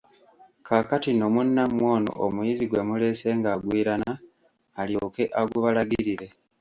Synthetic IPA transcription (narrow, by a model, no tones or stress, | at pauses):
kʰakatino̞munːamwo̞ːno̰ʔomujiziɡwe̞mule̞ːse̞ːŋɡaːɡwiːɾanaː | ljo̞ːke̞ʔaɡuβalaɡiɾiɾe̞